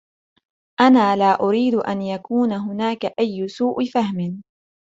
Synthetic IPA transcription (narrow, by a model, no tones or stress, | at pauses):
ʔanaːlaːʔʊɾiːd̪ʔa̰njakuːnaɦʊnaːkaʔajːʊsuːʔfahmɪn